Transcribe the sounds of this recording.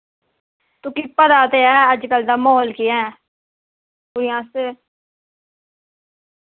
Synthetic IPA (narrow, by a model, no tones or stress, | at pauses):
t̪ʊkiːpəd̪aːt̪eːɛːəd͡ʒkəld̪aːmoːlkiːɛ̃ː | ɡʊɾɪjãːseː